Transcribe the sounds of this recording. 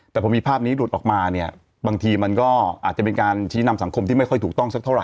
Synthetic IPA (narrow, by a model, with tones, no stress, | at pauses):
t̪ɛː˨˩ɔ˩˧˦miː˧pʰaː˥˩p̚niː˦˥lu˨˩t̪ʔɔː˨˩k̚maː˧ni˥˩ɐ | baː˧ŋt̪ʰiː˧ma˧nkɔː˥˩ʔaː˨˩t̪̚t͡ɕa˨˩pe˧nkaː˧nt͡ɕʰiː˦˥na˧msa˩˦ŋkʰo˧mt̪ʰiː˥˩a˥˩jkɔ˥˩t̪ʰuː˨˩k̚t̪ɔ˥˩ŋsa˦˥kt̪ʰa˥˩wɾa˨˩j